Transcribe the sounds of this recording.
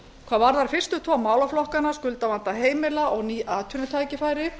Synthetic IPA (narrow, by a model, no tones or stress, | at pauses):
kʰvaːðvaɾðaɾ̥fɪr̥st̪ʏt̪ʰvɔːmaːwlaflɔhkanaskʏlt̪avant̪aɦeːjmɪlaʔɔɣniːʔaːt̪ʰœnʏt̪ʰaːjcɪfaːjɾɪ